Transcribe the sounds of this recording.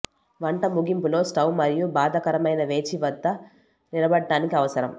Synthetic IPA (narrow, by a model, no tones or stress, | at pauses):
ʋɐɳʈɐmuɡimpulo̞ːsʈɐwmɐɾijubaːd̪ɐkɐɾɐmɐjnɐʋe̞ːt͡ʃiʋɐd̪ːɐ | nilɐbɐɖːaːnikiɐʋɐsɐɾɐm